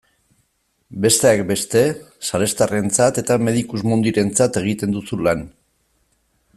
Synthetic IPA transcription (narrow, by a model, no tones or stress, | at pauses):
be̞st̪e̞ak̚be̞st̪e̞ | sale̞st̪are̞nt͡sat̪e̞t̪ame̞ðikuzmund̪iɾe̞nt͡sat̪e̞ɣ̞it̪e̞nd̪usulan